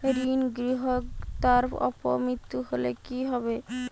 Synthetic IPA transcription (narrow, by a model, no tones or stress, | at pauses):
ɾinɡɾiɦokt̪aɾɔ̰po̰mɾit̪ːuɦolekiɦɔbe